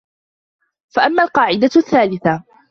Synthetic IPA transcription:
faʔamːaːlqɑːʕɪd̪aθːaːlɪθa

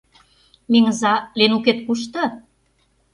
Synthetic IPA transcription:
miŋəzɑlenuket̪̚kuʃ̬t̪ɤ̆

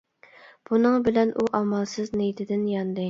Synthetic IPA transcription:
b̥unɨŋbɪlɛnʔuʔɑmɑlˠsɨznejt̪ʰɪd̪ɪnjɑnd̪ɨ

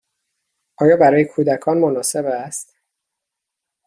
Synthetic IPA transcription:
ʔɒːjɒːbæɾɒːjekʰuːd̪ækʰɒːnmonɒːse̞bæst̪

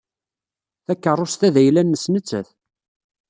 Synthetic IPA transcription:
θækːərˤːost̪æðæjlænːəsnət͡sːə̰θ

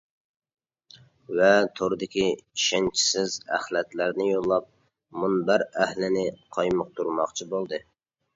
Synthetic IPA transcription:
vɛt̪ʰoɾd̪ɪkʲiʃɪnt͡ʃʰɪ̥sɪzæ̰hlɛt̪læɾnɪjolˠːɑp̚ | munbæɾæhlɪnɪqʰɑjmʊq̚t̪ʰuɾmɑχt͡ʃʰibolˠd̪ɨ

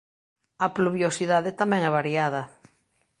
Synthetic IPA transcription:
ɐpluβjosiðaðet̪amɛ̃ŋɛβ̞aɾjað̞ɐ

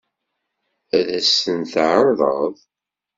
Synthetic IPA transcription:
æðæsːənθʕəɾˤðˤə̰ðˤ

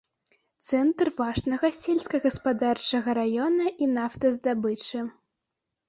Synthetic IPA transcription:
t̪sɛnt̪rvaʂnɐɣɐsʲɛlʲsʲkɐɣɐspad̪art͡ʂɐɣɐɾajɔnɐʔinaft̪ɐzd̪abɨt͡ʂɨ

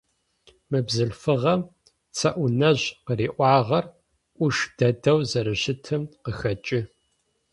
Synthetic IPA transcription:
mɨbzɨɮfɨʁɐm | t͡sʰɐʔʷʊnɐʑqəɾiːʔʷɑːʁɐr | ʔʷʊʂd̥ɐdɐwzɐɾɨɕɪtʰɨmqəxɐt͡ʃʼɪ

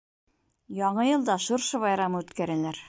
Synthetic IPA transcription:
jɒɴɤjɤ̆lˠd̪ɑʃŏɾʃɤβɑjɾɑmɤʉt̪kæɾælæɾ

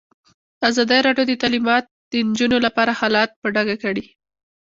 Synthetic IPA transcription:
azɑd̪əɾɑɖjod̪ət̪alimɑt̪̚d̪̥ənd͡ʒunolapɑɾahɑlɑt̪̚pəɖaɡakaɽi

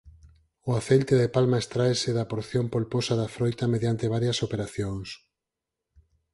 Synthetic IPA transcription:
oaθelt̪eðepalmaest̪ɾaesɪðapoɾθjompolposaðafɾojt̪ɐmeðjant̪eβ̞aɾjɐsopeɾaθjoŋs

